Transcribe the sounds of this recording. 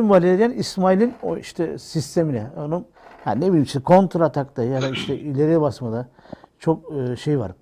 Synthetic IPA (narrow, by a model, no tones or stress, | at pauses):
imvalʲeɾʲjanismailʲinoiʃt̪ʰɛsist̪ʰeminɛonum | ha̰nebilʲimt͡ʃʰikʰo̞nt̪ɾat̪ʰakt̪ajad̪aiʃt̪ʰɛʔilʲeɾɛbasmad̪a | t͡ʃʰok̚ːʃejva̰ɾ